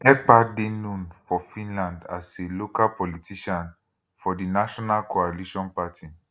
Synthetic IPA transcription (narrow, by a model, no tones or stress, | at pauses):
ɛk͡padenũnfɔfĩnlãndaselokalpɔlitiʃãn | fɔdinaʃɔnalkoaliʃɔ̃npatʰi